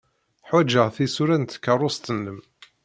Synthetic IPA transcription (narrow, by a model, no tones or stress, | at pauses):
ħwæd͡ʒːəʁθisuɾænt̪kːərˤːʊst̪ənləm